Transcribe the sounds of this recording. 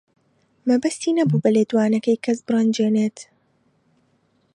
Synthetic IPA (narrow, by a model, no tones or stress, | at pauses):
mɐbɐst̪iːnɐbuːbɐleːd̪waːnɐkɐjkʰɐsbɨrɐnd͡ʒeːneːt̪